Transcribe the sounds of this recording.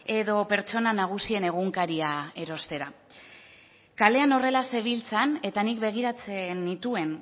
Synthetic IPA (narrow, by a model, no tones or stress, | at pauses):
e̞ðo̞pe̞ɾt͡ʃo̞nanaɣ̞usie̞ne̞ɣ̞uŋkaɾiae̞ɾo̞st̪e̞ɾa | kale̞ano̞re̞lase̞β̞ilt͡sane̞t̪anik̚be̞ɣ̞iɾat͡senit̪ue̞n